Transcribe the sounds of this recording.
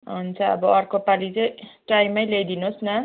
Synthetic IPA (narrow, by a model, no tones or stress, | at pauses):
ɦunt͡sʰʌʌ̰bʌʌrkopalit͡sʌjʈajmʌjlejd̪inosnʌ